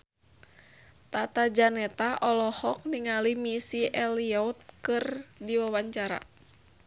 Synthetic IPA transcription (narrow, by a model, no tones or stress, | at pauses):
t̪at̪ad͡ʒanɛt̪aʔɔlɔhɔk̚niŋalimisiʔɛliɔut̪̚kɨrdiwawaɲt͡ʃaɾa̰